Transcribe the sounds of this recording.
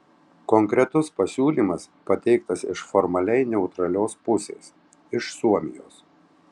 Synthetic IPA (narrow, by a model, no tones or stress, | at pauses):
kɔŋʲkɾʲɛt̪ʊspɐsʲuːlʲiːmɐs | pɐt̪ʲɛɪkt̪ɐsɪʃfɔɾmɐlʲɛɪnʲɛʊt̪ɾɐlʲoːspʊsʲḛːs | ɪʃsuɔmʲɪ̰joːs